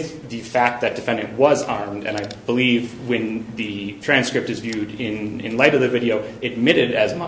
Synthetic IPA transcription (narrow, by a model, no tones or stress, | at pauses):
ðɨfæk̪̚ðɨt̚d̥ɨfɛ̃ndɨ̃nʔwʌzɑɹmdɨ̰̃naɪbəlivwɨ̃nðɨtʰɹ̥æ̃nskɹɨp̚tɨzvjʉɾɪ̃nɪ̰̃nlaɪɾʌvðɨvɪɾioʊɨd̚mɪɾɨɾɨzm